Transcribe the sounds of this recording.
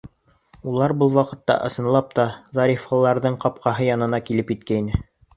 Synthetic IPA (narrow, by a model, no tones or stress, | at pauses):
ulˠɑɾbɤlˠwɑqɤ̆t̪ːɑ̰ʔɤ̆sɤ̆nlˠɑp̚t̪ɑðɑɾʲifɑlˠːɑɾðɤɴqɑp̚qɑɦɤjɑnɤ̆nɑkilɘpjit̪̚kæinɘ